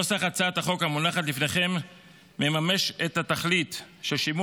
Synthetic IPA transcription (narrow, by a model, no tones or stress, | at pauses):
osaχat͡saat̪aχo̞khamunaχat̪lifne̞χe̞mː | e̞mame̞ʃethataχlitʃeʃimu